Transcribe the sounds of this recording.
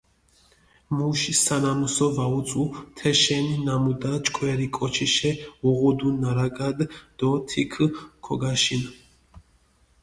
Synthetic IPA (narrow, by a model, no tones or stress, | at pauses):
muʃisanamusɔvaut͡s̪ʼut̪ʰɛʃɛninamud̪at͡ʃʼkʰʼwɛɾikʼɔt͡ʃʰiʃɛɔʁɔd̪unaɾaɡad̪d̪̥ɔt̪ʰikʰkʰɔɡaʃin